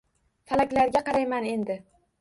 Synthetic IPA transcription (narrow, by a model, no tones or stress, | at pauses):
falakʲlaɾɡʲaqɑɾajmane̞nd̪ɪ